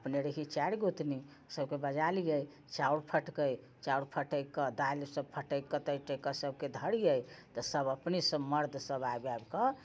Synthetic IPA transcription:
əpneɾeɦit͡ʃaɾɡot̪ni | səbkebəd͡ʒalijəj | t͡ʃauɽpʰəʈkəj | t͡ʃauɽpʰəʈəjkəd̪alsəb̚pʰəʈəjkət̪əjʈəkəsəb̚ked̪ʱəɽijəjt̪ɔsəbəpnisəbməɾd̪ʱsəbaebabkə

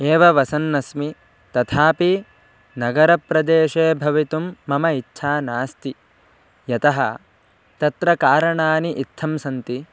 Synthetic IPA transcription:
eːʋɐʋɐsɐnːɐsmi | t̪ɐt̪ʰaːpi | nɐɡɐɾɐpɾɐd̪eːʃeːbʱɐʋit̪umːɐmɐitːʃʰaːnaːst̪i | jɐt̪ɐɦɐ̰ | t̪ɐt̪ɾɐkaːɾɐɳaːniʔit̪ʰːɐmsɐnt̪i

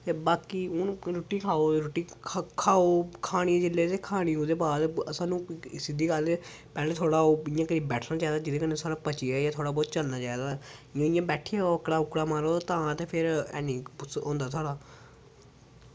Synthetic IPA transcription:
t̪eːbaːkiːʊnɾoːʈiːkʰaːoːɾoʈiːkʰaːoːkʰaːɽ̃ĩːd͡ʒɪlːeːt̪eːkʰaːɽ̃iːod̪eːbaːd̪əsãːnũːsɪd̪iːkəl | pɛːleːt̪ʰoːɽaːoːɪjãːkəɾĩːbɛːʈʰnaːt͡ʃaːeːd̪aːd͡ʒɪd̪eːkəneːsʰoːɽaːpət͡ʃiaːjãːt̪ʰoːɽaːbɔːt̪t͡ʃəlnaːt͡ʃaːed̪aːɪjãːɪjãːbɛːʈʰɪjaːoəkɽaːʊkɽaːmaːɾoːt̪ãːt̪eːpʰɪɾɛ̰ːniːpʊsõːnd̪aːt̪ʰoːɽaː

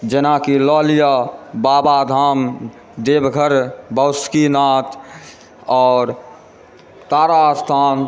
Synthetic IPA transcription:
d͡ʒenakilɔːlijabaːbad̪ʱaːm | d̪eːbɡʱəɾbəskinaːt̪ | ɔːɾ | t̪aːɾast̪ʰaːn

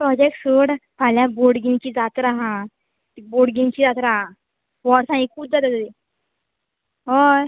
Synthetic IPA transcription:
pɾɔd͡ʑek̚ʈsəɽpʰaljãboɽɡiŋt͡ɕiːd͡zat̪ɾaɦã | t̪iboɽɡiŋt͡ɕiːd͡zat̪ɾaɦa | ʋɔɽsãĩkʰuːb̚d͡zat̪at̪əd̪i | ɦɔ

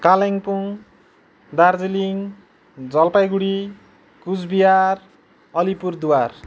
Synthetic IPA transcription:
kaleŋpuŋ | d̪ard͡ziliŋ | d͡zʌlpajɡuɽi | kud͡zbijar | ʌlipurd̪uwar

